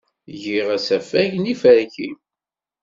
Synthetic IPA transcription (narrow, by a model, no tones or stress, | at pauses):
ʝiʁæsæfæʝnifəɾçin